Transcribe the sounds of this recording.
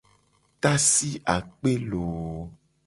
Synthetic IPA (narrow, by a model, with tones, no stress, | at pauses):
t̪a˦si˦ʔa˨k͡pe˦lo˨˦